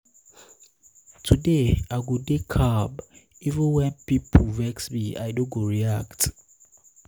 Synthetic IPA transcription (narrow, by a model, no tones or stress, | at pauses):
tʰudeaɡudekʰab | ivə̃nwɛ̃npipʰvɛksmia̰ɪdõɡoɹiakt